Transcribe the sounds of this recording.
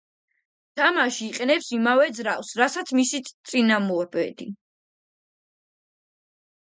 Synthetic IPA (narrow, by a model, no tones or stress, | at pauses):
t̪ʰamaʃiːqʼɛnɛpsimavɛd̪zɾafsɾasat̪sʰmisit̪ʼinamɔɾbɛ̰d̪i